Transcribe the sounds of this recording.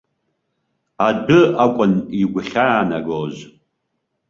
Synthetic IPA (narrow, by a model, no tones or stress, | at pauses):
adɨakʷʼʊniɡʷʊχʲaːna̰ɡoːz